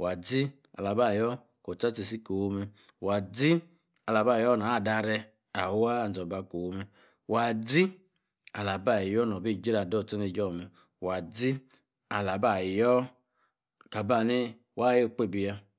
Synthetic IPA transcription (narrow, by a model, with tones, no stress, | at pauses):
wa˨d͡zi˦ | a̰˨la˨ba˦˨jɔ˦ | ko˨t͡sa˦t͡se˨si˦ko˨wo˧me˧ | wa˨d͡zi˦ | a˨la˨ba˦˨jɔ˦na˨˦˨da˧ɾɛ˧ | a˨˦wa˦˨n˨zɔ˨ba˧ko˨wo˨˧me˧ | wa˨d͡zi˦ | a˨la˨ba˦˨jɔ˦nɔ˨bi˦˨d͡ʒe˦ɾa˨dɔ˦˨t͡se˦ne˨˧˨d͡ʒɔ˦˨mɛ˨ | wa˨d͡zi˦ | a˨la˨ba˦˨jɔ˦ | ka˨ba˧˨ne˦ | wa˦˨je˦˨k͡pe˦˨bi˧ja˧